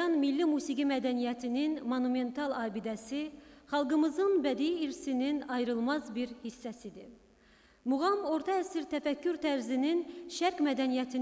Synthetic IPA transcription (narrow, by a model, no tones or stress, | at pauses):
ɑnmilːimuːsiɡimæd̪ænijæt̪ʰininmonume̞nt̪ʰɑlˠɑːbid̪æsiχɑlˠɡɯmɯzɯnbæd̪iːɾsininɑjɾɯlˠmɑzbiɾhisːæsid̪i | muʁɑmo̞ɾt̪ʰɑæsiɾt̪ʰæfækːyɾt̪ʰæɾzininʃæɾkmæd̪ænijæt̪ʰin